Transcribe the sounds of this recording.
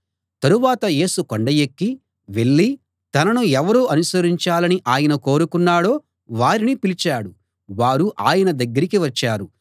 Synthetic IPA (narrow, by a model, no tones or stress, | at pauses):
t̪ɐɾuʋaːt̪ɐje̞ːsukoɳɖɐjekːi | ʋe̞ɭːi | t̪ɐnɐnuɛʋɐɾuɐnusɐɾiɲt͡ʃaːlɐniʔaːjɐnɐko̞ːɾukunːaːɽo̞ː | ʋaːɾinipilit͡ʃaːɽu | ʋaːɾuʔaːjɐnɐd̪ɐɡːɐɾikiʋɐt͡ʃːaːɾu